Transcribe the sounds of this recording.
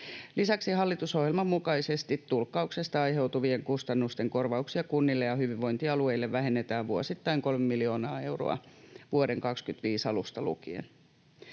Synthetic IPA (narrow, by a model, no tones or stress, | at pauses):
lisæksihɑlːit̪uso̞hjelmɑmmːukɑisest̪it̪tːulkːɑukse̞st̪ɑɑjɦe̞wt̪uʋieŋkust̪ɑnːust̪e̞ŋko̞rʋɑuksiɑkunːilːejɑhyʋiʋʋo̞int̪iɑlue̞ilːeʋʋæɦenːet̪æːʋʋuosit̪ːɑiŋko̞lmemilio̞ːnɑːe̞wro̰ɑ̰ʋuode̞ŋkɑkskyt̪ʋiːsɑlust̪ɑlṵkiḛn